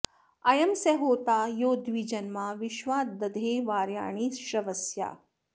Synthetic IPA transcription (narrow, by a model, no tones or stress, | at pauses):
ɐjɐmseɦoːt̪aːjoːd̪ʋid͡ʒɐnmaʋiʃʋaːd̪ɐd̪ʱeːʋaːɾja̰ːɳ̃iːʃɾɐʋɐsja̰ː